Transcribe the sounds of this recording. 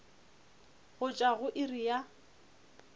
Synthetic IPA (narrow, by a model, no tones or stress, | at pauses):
ɣʊt͡ʃʼaɣʊʔɪrija